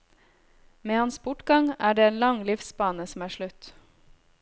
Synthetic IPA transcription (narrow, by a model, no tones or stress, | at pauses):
meːhɑnsbʊʈɡɑŋæːɖeːeːnlɑŋlɪfsbɑːnəsm̩æːʃɭʉt̪